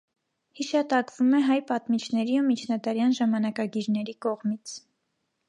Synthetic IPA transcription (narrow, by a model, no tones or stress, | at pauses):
hiʃɑt̪ɑkvumɛɦɑjpɑt̪mit͡ʃʰnɛɾiumit͡ʃʰnɑd̪ɑɾjɑnʒɑmɑnɑkɑɡiɾnɛɾikɔʁmit͡sʰ